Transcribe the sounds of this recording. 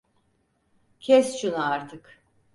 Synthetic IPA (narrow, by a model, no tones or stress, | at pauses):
cʰɛsʃunuaɾt̪ʰɯk